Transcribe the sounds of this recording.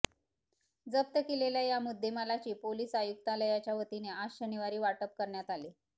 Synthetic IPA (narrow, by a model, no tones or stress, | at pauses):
d͡zəp̚t̪əkeleljajamud̪ʱːeməlat͡ɕiːpoliːsajuk̚t̪aləjat͡ɕjaʋət̪ineaɕəniʋaɾiːʋaʈəp̚kəɾɳjat̪ali